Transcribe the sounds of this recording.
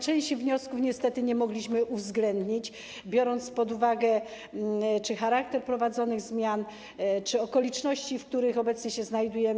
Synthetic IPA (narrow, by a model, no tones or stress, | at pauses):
t͡ʂɛ̃jɕt͡ɕivɲɔskufɲɛst̪ɛt̪ɘɲɛmɔɡlʲiɕmɘʔuvzɡlɛnd̪ɲit͡ɕ | bʲjɔɾɔnt̪spɔd̪uvaɡɛ | t͡ʂɘxaɾak̚t̪ɛɾpɾɔvad̪zɔnɘɣzmʲjan | t͡ʂɘɔkɔlʲit͡ʂnɔɕt͡ɕifk̚t̪uɾɘxɔbɛt̪sɲɛɕɛznajd̪ujɛ